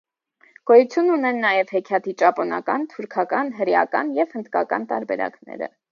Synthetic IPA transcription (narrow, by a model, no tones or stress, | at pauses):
ɡ̥ɔjut͡sʰjununɛnːɑjɛvhɛkʰjɑt̪ʰit͡ʃɑpɔnɑ̰kɑnt̪ʰuɾkʰɑkɑnɦəɾjɑ̰kɑnjɛv̥hənd̪kɑkɑ̰nt̪ɑɾbɛɾɑ̰knɛ̰ɾə̰